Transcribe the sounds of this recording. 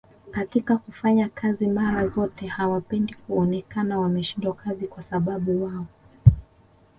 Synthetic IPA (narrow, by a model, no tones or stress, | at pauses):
katikakufaɲakʰazimaɾazɔtɛhawapɛndikuɔnɛkanawamɛʃindwakazikwasaɓaɓuwaɔ